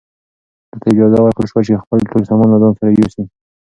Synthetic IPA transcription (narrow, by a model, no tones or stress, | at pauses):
d̪̥ət̪ʰaɪd͡ʒɑzawaɾkəlʃwat͡ʃexpəlʈolsamɔnlazɑnsaɾajosi